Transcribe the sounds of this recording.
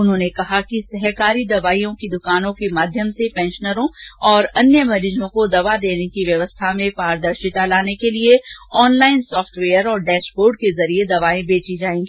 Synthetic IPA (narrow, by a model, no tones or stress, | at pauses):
ʊnɦõnekɐɦakisɐɦkaːɾid̪ɐʋaːijõkid̪ʊkaːnõkemaːd̪ʱjəmsepɛ̃ːnʃənəɾõɔːɾɐnjəmɐɾiːd͡ʒõkod̪ɐʋad̪eːnekiʋjɐʋəst̪ʰamẽpaːɾd̪ɐɾʃɪt̪alaːnekelieɔːnlaːɪnsɔːfʈʋeːəɾɔːɾɖɛːʃboːɾɖ̚kezɐɾied̪ɐʋaːẽbeːt͡ʃid͡ʒaːẽːŋɡi